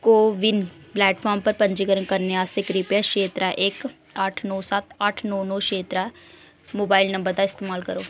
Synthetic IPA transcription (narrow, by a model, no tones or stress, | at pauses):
koːʋɪnplɛːʈpʰɔːɾmpəɾpəɲd͡ʒiːkəɾəŋkəɾneaːsɪkɾɪpjaːʃeːt̪ɾaːʔɪk | əʈʰnɔːsət̪əʈʰnɔːnɔːʃeːt̪ɾaː | moːbaːɪlnə̃mbəɾd̪aːɪst̪eːmaːlkəɾoː